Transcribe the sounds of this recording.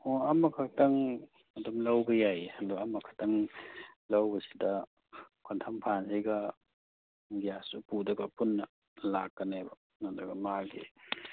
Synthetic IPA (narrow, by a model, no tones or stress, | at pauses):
ɔɐmɐkʰɐk̚tɐŋ | ɐdumlawbɐjajɐdɔɐmɐkʰḁtaŋ | lawbɐsi̥dɐ | kʰontʰɐmpʰansajɡɐ | ɡijasupudɐɡɐpunːɐ | lakːɐnebɐ | nadɐɡɐmaɡḛ